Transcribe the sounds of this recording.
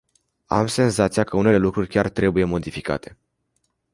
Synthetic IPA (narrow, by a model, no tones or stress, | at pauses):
a̰mse̞nzat̪sijakəune̞le̞lukɾurʲkʲart̪ɾe̞buje̞mo̞d̪ifika̰t̪ʰe̞̥